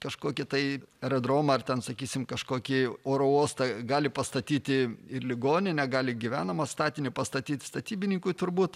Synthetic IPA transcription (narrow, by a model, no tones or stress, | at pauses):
kɐʃkoːkʲɪt̪ɐɪɛɾɐd̪ɾoːmɐɐrt̪ʲɛnsɐkʲiːsʲɪmkɐʃkoːkʲɪoːɾooːst̪ɐɡɑːlʲɪpɐst̪ɐt̪ʲiːt̪ʲɪɪrlʲɪɡoːnʲɪnʲɛɡɑːlʲɪɡʲɪʋʲæːnɐmɐst̪ɑːt̪ʲɪnʲɪpɐst̪ɐt̪ʲiːt̪ʲst̪ɐt̪ʲiːbʲɪnʲɪŋkʊɪt̪ʊɾbuːt̪